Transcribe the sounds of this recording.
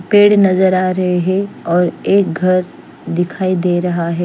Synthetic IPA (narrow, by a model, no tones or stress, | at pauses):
peːɽnɐzəɾaːɾɐɦeɦɛɔːɾeːk̚ɡʱɐɾ | d̪ɪkʰaːid̪eːɾɐɦaɦɛː